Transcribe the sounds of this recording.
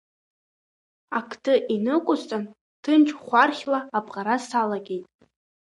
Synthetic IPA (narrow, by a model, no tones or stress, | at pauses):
akʰtʰɨʔinɨkʷʼʊzt͡sʼan | tʰɨnt͡ʃʰʼχʷarχʲlaːpʼqʼaɾasalaɡʲe̞jtʼ